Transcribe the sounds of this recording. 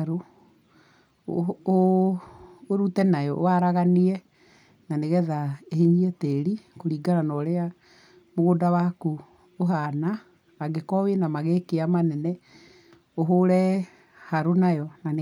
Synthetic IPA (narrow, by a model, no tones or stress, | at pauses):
ɾo | oː | ɾutɛnajɔʔoaɾaɣaniɛ | naneɣɛðaeheɲiɛteɾikoɾiːɡaɾanɔɾea | moɣodawaku | oɦanaː | ɡekɔwenamaɣekeamanɛnɛ | oɦoɾɛ | haɾonajɔnan